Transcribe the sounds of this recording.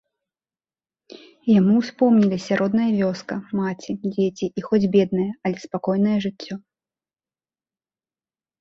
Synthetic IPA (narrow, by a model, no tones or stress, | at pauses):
jamuwspɔwmnʲilʲisʲaɾʔɔd̪nɐjɐvʲɔskɐmat͡sʲid͡zʲet͡sʲiʔːxɔd͡zʲbʲɛd̪̚nɐjɐɐlʲɛspakɔjnɐjɐʐɨt͡sʲːɔ